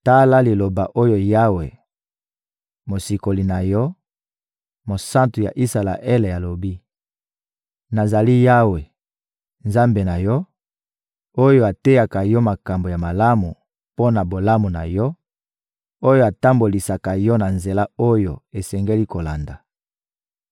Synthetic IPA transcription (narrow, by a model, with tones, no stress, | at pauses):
ta˦la˦li˨lo˨ba˨ʔo˦jo˨ja˦we˨ | mo˨si˨ko˨li˨na˨jɔ˦ | mo˨sã˦ntu˨ja̰˨ʔi˦sa˨la̰˨ʔe˦le˨a˨lo˨bi˦ | na˨za˨li˦ja˦we˨ | nza˦mbe˨na˨jɔ˦ | o˦jo˦a˨te˦ja˨ka˨jɔ˦ma˨ka˨mbo˨ja˨ma˨la˦mu˨ | po˦na˨bo˨la˦mu˨na̰˨jɔ˦ | o˦jo˦a˨ta˦mbo˨li˨sa˨ka˨jɔ˦na˨nze˨la˦o˦jo̰˨e˨sɛ˨ŋɡe˦li˦ko˨la˨nda˨